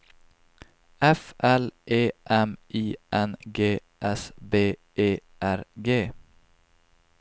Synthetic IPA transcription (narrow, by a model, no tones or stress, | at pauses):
ɛfʔɛlʔeːʔɛmʔiːʔɛnɡeː | ʔɛsbeːʔeːʔæɾɡeː